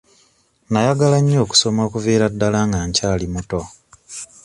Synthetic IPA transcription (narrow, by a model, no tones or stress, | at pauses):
najaɡalaɲːoːku̥so̞makuveːɾadːalaːŋɡaːɲcaːlimuto̞